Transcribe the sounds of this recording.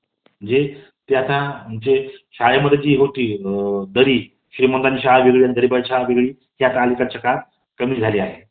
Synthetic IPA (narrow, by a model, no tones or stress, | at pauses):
məd͡ʑe | t̪eat̪ãumt͡ɕeɕaɭeməd̪ʱːed͡ʑiːɦot̪iːd̪əɾiː | ɕɾiːmənd̪aniɕaɭaʋiɡɭijand̪əɾiːbəjɕaɦaʋiɡɭiː | ɦeat̪ãːlikaɾt͡ɕəka | kəmiːd͡zʱaliːaɦe